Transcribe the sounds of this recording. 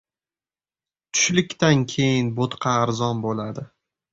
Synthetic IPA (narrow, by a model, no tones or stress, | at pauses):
t̪ʰʊ̥ʃlɪkʲt̪ankʲʰe̞jɪnbot̪qʰɑːɾzɒnbolad̪ɪ